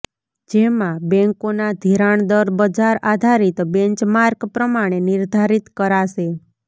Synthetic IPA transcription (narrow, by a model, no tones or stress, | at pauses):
d͡ʒemãbɛ̃ŋkonad̪ʱiɾaɳd̪əɾbəd͡ʒaɾad̪ʱaɾit̪bɛ̃ɲt͡ʃmaɾkpɾəmaɽ̃eniɾd̪ʱaɾit̪kəɾaʃe